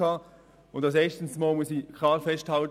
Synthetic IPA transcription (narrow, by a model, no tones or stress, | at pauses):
ɑː | ʊntdɑsɛːstən̩smaːlmʊsikʰlɑːfɛsthɑlt